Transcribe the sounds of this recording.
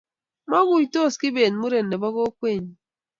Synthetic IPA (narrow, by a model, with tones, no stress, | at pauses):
ma˦ɣu˨ɲ˦to˦˨ski˦be˨nmu˦ɾe˨nːe˨bɔ˦ɣo˦kwe˦˨ɲ˨